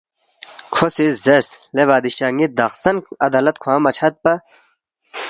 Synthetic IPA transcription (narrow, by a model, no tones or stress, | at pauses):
kʰosizeɾsleʋaːd̪iʃaːŋid̪ɐxsɐnɐd̪aːlɐt̪̚kʰwãːmɐt͡ɕʰɐt̪̚pɐ